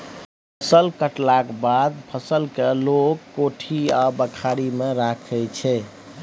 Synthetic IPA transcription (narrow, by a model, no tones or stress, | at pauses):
pʰəsəlkəʈlakbad̪̚pʰəsəlkelokːoʈʰiabəkʰaɽimeɾakʰɛt͡ʃʰɛ